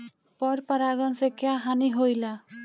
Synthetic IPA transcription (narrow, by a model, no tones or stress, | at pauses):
pɔɾpaɾaɡɔnsekjaɦaniɦojla